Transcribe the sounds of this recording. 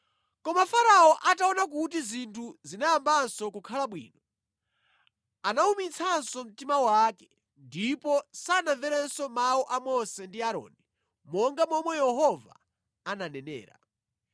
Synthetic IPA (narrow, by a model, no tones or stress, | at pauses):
kɔmafaɾaɔʔataɔnak̬utizintʰuzinajambansɔkukʰalaɓwḭːnɔ | anaumit͡sʰansɔm̩timawakɛ | ndipɔsanaɱvɛɾɛnsɔmaɔʔamɔsɛndiaɾɔ̰ːni | mɔŋɡamɔmɔjɛɦɔva̰ː | nanɛnɛ̰ːɾa̰